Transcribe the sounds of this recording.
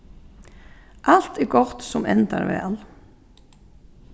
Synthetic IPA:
ʔalt̪ɛɾɡɔɾt̪sɔmɛnd̪a̰ɾʋɛ̰al

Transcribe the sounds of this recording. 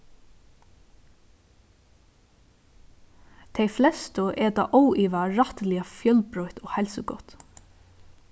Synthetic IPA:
t̪ʰɛɪflɛst̪ʊʔɛt̪ɑ̰ːʔowiːʋaɹat̪lɪafjœlpɹɔʏt̪ɔːhɛlsʊɡɔ̰t̪

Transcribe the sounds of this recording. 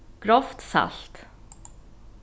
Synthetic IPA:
ɡ̥ɾɔft̪sa̰lt̪

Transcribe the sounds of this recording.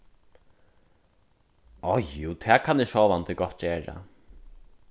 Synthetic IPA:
ɔjjuːt̪ʰɛːkʰanɪʂɔːʋant̪ɪɡɔt̪̚ːt͡ɕeːɹa̰

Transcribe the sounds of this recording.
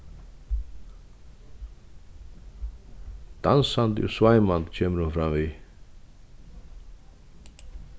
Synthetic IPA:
d̪̥ansand̪o̰svaɪmand̪cʰeːməɾhunfɾamvi

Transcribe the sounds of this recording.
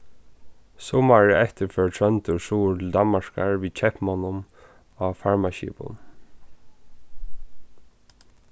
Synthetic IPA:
sɔmaɹɪɛht̪əɹfœːɹʈʰɹœnt̪ʊsuːld̪amaʂkaɹʋiːt͡ʃʰɛhpmanʊm | afaɹmaʃḭpʊ̰n

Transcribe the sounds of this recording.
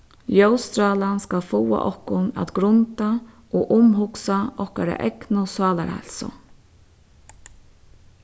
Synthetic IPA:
jowst̪ɾaːlanskalfuwa̰ʔɔhkʊna̰t̪ɡɾʊnt̪a | oːʔʊmɦʊksaɔhkaɾa̰ʔɛknʊsɑːlaɾhɛ̰lsʊ̰

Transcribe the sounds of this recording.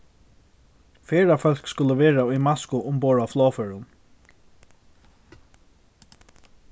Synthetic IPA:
fɛːɹafœl̥kskʊlːəʋɛːɹaʊjmaskʊʔʊmpɔːɹaflɔːfœɹʊn

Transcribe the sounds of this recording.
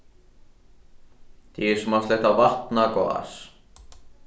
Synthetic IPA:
t̪iɛsmast̪leht̪avar̥t̪nakɔa̰s

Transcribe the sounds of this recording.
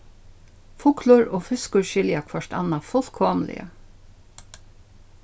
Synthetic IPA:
fʊklʊɹoːfʏskʊɹʃɪljakʰʋœʂt̪a̰nːafʊlkʰɔːmlɪ̰ə̰

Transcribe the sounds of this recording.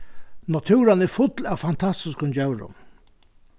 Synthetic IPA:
nat̪ʰʉːɾanɛɾfʊt̪laːwfant̪ʰast̪ɪskʊnd͡ʑɛwɾʊ̰m

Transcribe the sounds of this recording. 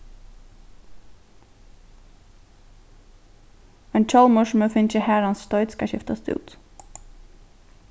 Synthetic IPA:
ɛnt͡ʃʰɔlmʊʃməfɪnt͡ʃəhæɾɑnsst̪ɔʏd̪skɑɕɪ̰ft̪ɑst̪ʰʉ̰ːt̪

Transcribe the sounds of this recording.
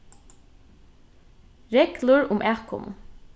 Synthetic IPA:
ɹɛɡlʊɹʊmʔæːkʊ̰m

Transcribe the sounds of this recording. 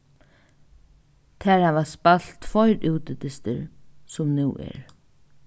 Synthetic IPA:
t̪ʰɛːɾaʋaspal̥t̪fɔjɾuwt̪ɪt̪ɪst̪ə̰ɾsʊmnuwʔɛ̰ɹ

